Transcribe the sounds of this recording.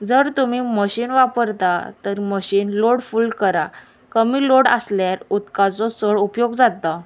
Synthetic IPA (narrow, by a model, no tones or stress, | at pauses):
d͡zəɾt̪umiməɕiːnʋapəɾt̪at̪əɾməɕiːnloɽfuːlkəɾa | kəmiːloɽə̰sljaɾut̪kat͡sɔsəɭupjoɡd͡zat̪ːa